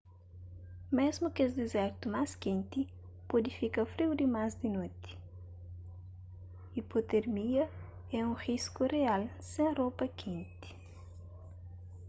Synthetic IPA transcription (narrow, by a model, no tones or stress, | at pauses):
mezmukesd̪ezɛɾt̪umaskẽnt̪i | pod̪ifikɐfɾiwd̪imazd̪inot̪i̥ | ipot̪eɾmiɐ | ɛũriskurealsẽɐropɐkʰẽnt̪i̥